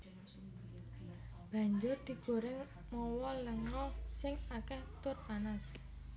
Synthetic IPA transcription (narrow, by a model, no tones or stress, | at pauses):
b̥a̤ɲd͡ʒʊrd̪̥i̤ɡ̥o̤ɾɪŋ | mɔwɔləŋɔsɪŋakɛht̪ʊrpanas